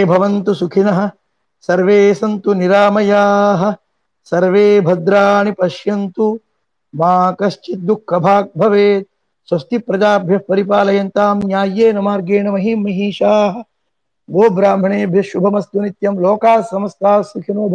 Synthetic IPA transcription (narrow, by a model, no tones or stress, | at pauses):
bʱɐʋɐnt̪usukʰinɐɦɐ̆ | sɐɾʋeːsɐnt̪uniɾaːmɐjaːɦɐ̆ | sɐɾʋeːbʱɐd̪ɾaːɳipɐʃjɐnt̪u | maːkɐʃt͡ʃit̪̚d̪ukʰːɐbʱaːk̚bʱɐʋeːt̪̚ | swɐst̪ipɾɐd͡ʒaːbʱjɐpɐɾip̬aːlɐjɐnt̪aːmnjaːjeːnɐmaːɾɡeːɳɐmɐɦimɐɦiːʃaːɦɐ̆ | ɡoːbɾaːmbʱɐɳeːbʱjɐʃubʱɐmɐst̪unit̪jɐmloːkaːsɐmɐst̪aːsukʰinoːbʱ